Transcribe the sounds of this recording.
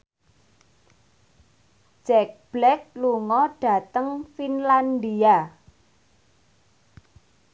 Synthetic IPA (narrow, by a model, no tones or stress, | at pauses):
d͡ʒʒ̥ɛk̚b̥lɛk̚luŋɔɖ̥a̤t̪əŋfinland̪ia